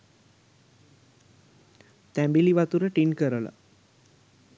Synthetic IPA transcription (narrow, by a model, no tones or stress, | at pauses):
t̪æmbiliʋat̪uɾəʈinkəɾəla̰